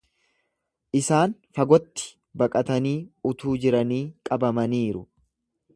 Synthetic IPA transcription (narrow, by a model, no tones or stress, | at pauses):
ʔɪsaːnfɐɡɔt̪ːɪ̥ | bɐkʼɐt̪ɐniːʊt̪uːd͡ʒɪɾɐniːkʼɐbɐmɐniːɾʊ